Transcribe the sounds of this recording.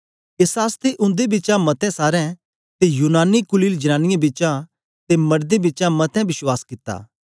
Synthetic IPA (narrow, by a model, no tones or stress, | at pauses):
eːsɦaːst̪eʔʊ̃nd̪ebɪːt͡ʃãmɐt̪ʰɛ̃saːɾɛ̃ | t̪ejuːnaːnikʊliːld͡ʒɐnãːnɪjãbɪt͡ʃã | t̪emɐɾd̪ebɪːt͡ʃãmɐt̪ʰɛ̃bɪswaːskɪt̪ːa̰ː